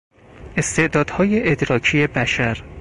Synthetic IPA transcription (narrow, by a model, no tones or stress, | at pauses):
ʔe̞st̪e̞ʔd̪ɒːd̪̥hɒːjeʔed̪ɾɒːkʰijebæʃæɾ